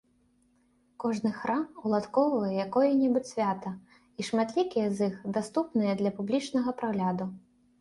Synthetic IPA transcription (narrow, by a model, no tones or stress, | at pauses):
kɔʐnɨxɾamulˠat̪kɔvɨjɐjakɔjɐnʲɛbut͡sʲsʲvʲat̪ɐ | iʂmat̪lʲikʲijɐzixd̪ast̪upnɨjɐd̪lʲɐpublʲit͡ʂnɐɣɐpɾaɣlʲad̪u